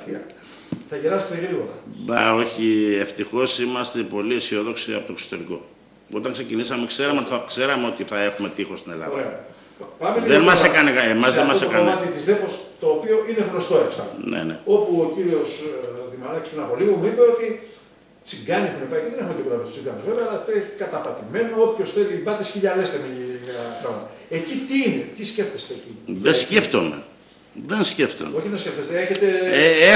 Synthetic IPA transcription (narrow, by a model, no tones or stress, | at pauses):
t̪iɐ | θɐʝeɾɐse̥t̪eɣɾiɣo̞ɾɐbɐ̰o̞çie̞ft̪ixo̞simɐst̪e̞po̞liesio̞ðo̞ksiɐ̰pot̪okso̥t̪e̞ɾiko̞̰ | o̞t̪ɐŋkse̞cinisɐmekse̞ɾɐmeot̪ɐkse̞ɾɐmeo̞t̪iθɐe̞xume̞t̪ixo̞st̪inelɐ̰oðɾe | pɐmelðenmɐsekɐnekemɐzðenmɐsekɐnɐt̪it̪izðepost̪o̞ːpio̞ʔine̞ɣno̞st̪o̞eksɐlonḛneo̞puociɾio̞sðimɐnɐcispɾinɐpo̞limumuipe̞o̞t̪i | t͡siŋɡɐniexunepɐiceðenexumet̪iboɐpist̪u̥st͡siŋɡɐnozve̞veɐlɐt̪eekɐt̪ɐpɐt̪ime̞noopço̞sθe̞libɐt̪isçiʎɐle̞st̪emipɾɐonɐ | ecit̪iine̞t̪isce̞ft̪e̞st̪eːciðesceft̪o̰mḛ | ðensceft̪o̰mo̞çiðesce̞ft̪est̪eeçe̞t̪e̞